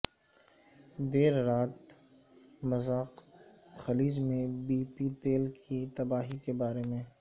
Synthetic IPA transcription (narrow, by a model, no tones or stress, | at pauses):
d̪eːɾːaːt̪ | mɐzaːqxɐliːd͡ʒmẽbiːpit̪eːlkʰit̪ɐbaːɦikebaːɾemẽ